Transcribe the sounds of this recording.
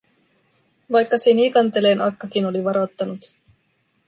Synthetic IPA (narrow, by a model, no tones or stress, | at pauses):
ʋɑjkːɑsenikɑnt̪e̞leːnʔɑkːɑkino̞liʋɑɾot̪ːɑnut̪